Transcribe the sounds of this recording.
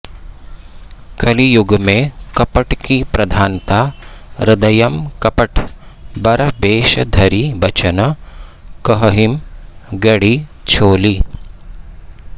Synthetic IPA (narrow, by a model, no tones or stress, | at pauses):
kɐlijuɡmẽkɐpɐʈkipɾɐd̪ʱaːnt̪aːɾɪd̪ɐjɐmkɐpɐʈbɐɾɐbeːʃɐd̪ʱɐɾibɐt͡ʃɐnɐ | kɐɦɐɦimɡɐɽit͡ʃʰoːli